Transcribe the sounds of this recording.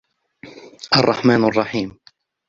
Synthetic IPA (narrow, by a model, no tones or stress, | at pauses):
ʔɑrˤːɑħmaːnɑrˤːɑħiːm